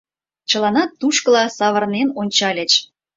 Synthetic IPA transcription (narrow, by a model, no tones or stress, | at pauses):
t͡ɕə̆lˠɑnɑt̪ːuʃkəlɑsɑβə̆rnenonʲt͡ɕɑlʲə̆t͡ɕ